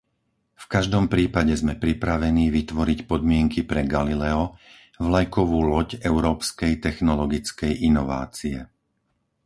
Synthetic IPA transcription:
fkaʒd̪ɔmpɾiːpaɟɛzmɛpɾipɾaʋɛniːʋit̪ʋɔɾicpɔd̪mɪɛŋkipɾɛɡalilɛɔ | vlajkɔʋuːlɔɟɛʊɾɔːpskɛjt̪ɛxnɔlɔɡit͡skɛjʔinɔʋa̰ːt͡siɛ

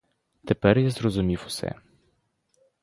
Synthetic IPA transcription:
t̪ɛpɛɾjɛzɾɔzumʲifʊ̥sɛ̰

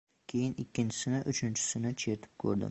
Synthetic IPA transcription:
kʲʰejɪnɪkʲːɪnt͡ʃʰɪ̥sɪnɪʔʊt͡ʃʰɪnt͡ʃʰɪ̥sɪnɪt͡ʃʰet̪ʰɪ̥p̚kʰɵ̰ɾd̪ɪ̰m

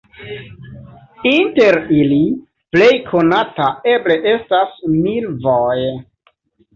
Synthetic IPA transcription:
inte̞ɾili | ple̞jkʰo̞natae̞ble̞ʔe̞stasmilvoj

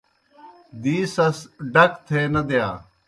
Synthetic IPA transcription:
d̪iːsɐsɖəkʰt̪ʰeːnɐd̪ejaː

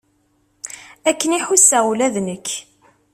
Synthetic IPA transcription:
ækːəniħusælæðnəkː

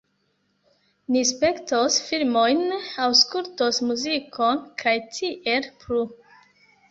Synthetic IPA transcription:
nispe̞ktosfilmo̞jnawskultosmuzikʰonkʰajtʰiʔelpɾu

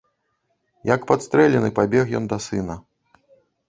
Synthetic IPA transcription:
jɐkpat̪st̪ɾɛlʲɛnɨpabʲɛxjɔ̰nd̪ɐsɨnɐ

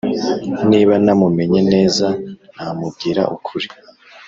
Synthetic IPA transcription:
niːβanamume̞ɲe̞ne̞ːzan̥hamub̚ɡiːɾa̰ʔukʰuɾi

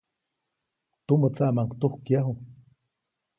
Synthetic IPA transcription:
t̪umət͡saʔmaŋkt̪uhkjaɦu

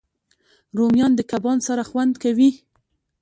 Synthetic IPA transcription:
ɾomjɑnd̪əkabɑnsaɾaxwand̪kawi

